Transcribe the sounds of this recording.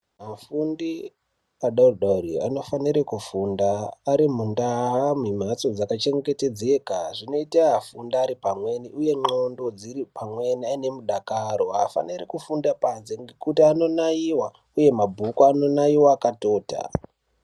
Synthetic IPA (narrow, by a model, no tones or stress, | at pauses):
ɦafundi | aɗaruɗaria̰no̞faniɾekufundaːɾim̤undaɦamim̤at͡so̞d͡zakat͡ʃe̞ŋɡɡete̞d͡ze̞kaʐino̞itaɦafundiaɾipamwe̞niʔuje̞ŋ͡ǃo̞ndo̞d͡ziɾipʰamwe̞niaine̞muɗakaɾo̞ɦa̰fa̰nirekufundapanse̞ŋɡekutiano̞naiwa | uje̞mabʱukuano̞naiwaːkato̞ːta̰